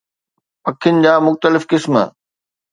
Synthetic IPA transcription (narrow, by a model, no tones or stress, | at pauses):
pɐkʰːijʊnɪ̆d͡ʑaːmʊxt̪əlɪfkɪsm